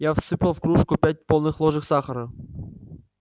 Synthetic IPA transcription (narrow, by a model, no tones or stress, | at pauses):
jafsɨpʲəlˠfkɾuʂkupʲæt̚ʲpolˠnɨxlˠoʐɨxsɑχəɾɤ